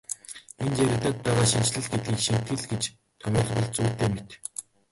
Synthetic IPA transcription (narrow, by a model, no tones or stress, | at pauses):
ent͡ɕeɾʲɪ̆t̪aːt̪̚pæːʁaːʃint͡ɕɮɘ̆ɮɡet̪̚ɡiːkʃin̥t̪ɡɘ̆ɮɡet͡ɕ | t̪ʰœmʲiːχpə̆ɮt͡suːt̪eːmet̪